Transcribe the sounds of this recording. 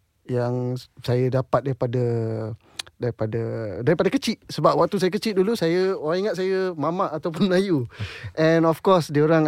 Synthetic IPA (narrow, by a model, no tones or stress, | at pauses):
jaŋsajədapat̪̚daɾipadə | daɾipadadaɾipadakət͡ʃiʔsəbap̚wak̚t̪us̬ajəkət͡ʃit̪̚dulusajəoɾãŋiŋat̪̚sajəmamaʔːt̪awpʊnməlajuʔɛnɔfkɔsdioɾaŋ